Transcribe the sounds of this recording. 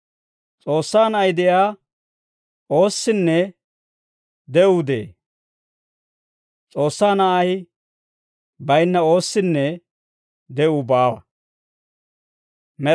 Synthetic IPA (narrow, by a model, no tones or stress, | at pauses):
t͡sʼo̞ːsːaːnɐʔɐjd̪ɛjaː | o̞ːsːɪnːɛ | d̪ɛʔʊd̪ḛː | t͡sʼo̞ːsːaːnɐʔɐj | bɐjnːɐo̞ːsːɪnːɛ | d̪ɛʔʊbaːwɐ | mɛ